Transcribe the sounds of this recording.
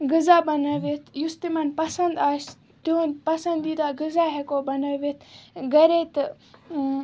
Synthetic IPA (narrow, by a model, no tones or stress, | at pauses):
ɡɨzaːbɐnɐʋit̪ʰjust̪imɐnpɐsɐnd̪aːs | t̪iɦonpɐsɐnd̪it̪aɡɨzaːɦekoːbɐnɐʋit̪ʰɡɐɾet̪